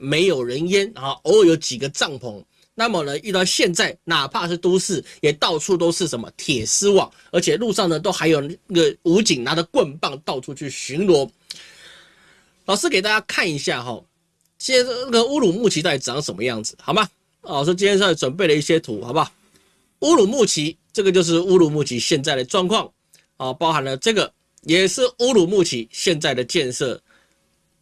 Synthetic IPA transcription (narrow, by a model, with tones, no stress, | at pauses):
me˧˥ɪjo˨˩ʊɻə˧˦njɛ˦n˦˨˦ʔo˧˥˦wjo˧˥ʊt͡ɕi˨˩ɡə˦t͡sɑ˥˩ŋpʰɔ˧˥ŋ | na˥˨mə˩nə˦y˥˧t̪ɑ˥˧ʊɕjɛ˥˧nt͡sa˥˩ɪna˨˩pʰa˥˧ʂ̩˥˩t̪u˥sɹ̩˥˩jɛ˨˩t̪ɑ˥˧ʊt͡sʰu˥˧t̪o˥ʊʂɻ̩˥˩ʂə˧˦nmə̰˧t̪ʰjɛ˨˩sɹ̩˥wɑ˨˩ŋ | ə˧˥t͡ɕʰjɛ˨˩lu˥˧ʂɑ˥˩ŋnə˩t̪̬o˥ʊxa˧˥ɪjo˨˩ʊa˥˩ɡə˨u˧˥t͡ɕi˨˩ŋna˧˥˦d̪ə˨kwə˥˧npa˥˩ŋt̪ɑ˥˧ʊʈ͡ʂʰu˥t͡ɕʰy˥˩ɕy˧˥nlwɔ˧˥ | lɑ˨˩ʊʂɻ̩˥ke˨˩ɪt̪a˥˩t͡ɕja˥kʰa˥˩ni˧ɕja˥˩ɦɔ̰˨˩ | t͡ɕna˥˩ɡə˨u˦lu˨˩mu˥˩t͡ɕʰi˧˥t̪a˥˩i˨˩t͡s̩˨˩ɑ˨˦ŋʂə˨˩nmə˦jɑ˥˩ŋd͡z̩˨˩xɑ˨˩ʊba˦˨ | ʂ̬ɔ˥˩t͡ɕi˥njʂ̬ʈ͡ʂwə˨˩np̬e˥˩ɪlə˩i˥˩ɕjɛ˦t̪ʰu˨˥˦xa˨˩ʊba˨ | u˦lu˨˩mu˥˩t͡ɕʰi˧˥ | t͡sɤ˥˩ɡə˩t͡ɕjo˥˧ʊʂ̬ɻ̩˥˧˨u˥lu˨˩mu˥˩t͡ɕʰi˧˥ɕjɛ˥˧nt͡sa˥˩ɪd̪ə˩ʈ͡ʂwɑ˥˧ŋkʰwɑ˥˩ŋ | ɔ˨˩pɑ˥ʊxa˨˩nlə˩ʈ͡ʂɤ˥˩ɡə˩ | jɛ˨˩ʂɻ̩˥˩u˦˥lu˨˩mu˥˩t͡ɕʰi˧˥˦ɕjɛ˥˧nt͡sa˥˩ɪd̪ə˩t͡ɕjɛ˥˧nʂɤ̰˥˩